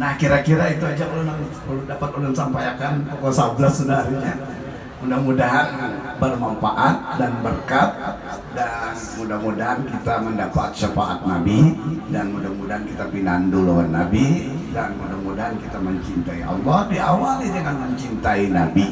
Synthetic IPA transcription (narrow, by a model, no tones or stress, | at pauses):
nahkiɾakiɾait̪uad͡ʒaunaŋ | ldapat̪unaŋsampajakanpokɔsablasːədaɾɲa | mudahmudaɦan | bərmamfaʔat̪̚danbərkat̪̚ | danmudahmudaɦankit̪aməndapat̪̚ʃəfaʔa̰t̪̚nabidanmudahmudaɦankit̪apinanduluanːabidanmudahmudaɦankit̪aməɲt͡ʃint̪aiʔɔ̰lːɔhdiawalidəŋanməɲt͡ʃint̪ainabi